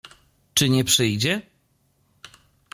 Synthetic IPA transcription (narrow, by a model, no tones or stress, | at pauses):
t͡ʂɘɲɛpʂɘjd͡ʑɛ